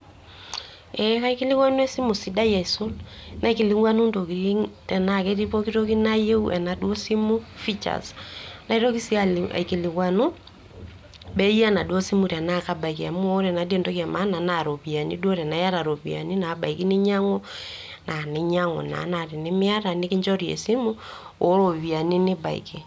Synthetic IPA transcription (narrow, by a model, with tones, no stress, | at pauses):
ɛ˦ka˦i˦ki˦li˦kwa˦nwɛ˦si˦mu˨si˨da˦ja˨i˨so˦lna˨iki˨li˦ŋwa˦nu˦ndo˨ki˨ɾi˦ŋtɛ˨na˨kɛ˦ɾi˦po˦ki˦ɾo˦ki˦na˦je˦u˦ʔɛ˨na˨do˦si˦mu˦fi˦t͡ʃa̰˨sḁna˨i˦ɾo˦ki˦si˦a˦la̰˨i˨ki˨li˨kwa˨nu˦ | bɛ˦ja˦na˨dwo˦si˦mu˨tɛ˨na˦ka˨ba˨i˨ka˨mwo˦ɾɛ˨na˨di˦e˦˨ndo˦ka˨ma˦na˨na˨ɾo˨βi˨a˨nḭ˦dwɔ˦ɾɛ˨na˨ja˦ɾa˨ɾo˨βi˨a̰˨ni˦na˨˦ba̰˨i˨ki˦ni˦ɲa˦ŋɔ˦ | na˨ni˨ɲa˦ŋɔ̰˨na̰˨˦na˨ɾi˨ni˦mi˦a˦ɾa˨ni˦ki˦ɲd͡ʒɔ˦ɾjḛ˨si˦mu˦ | o˨˦ɾo˨βi˨a˨ni˦ni˦ba̰˨ḭ˨ki˨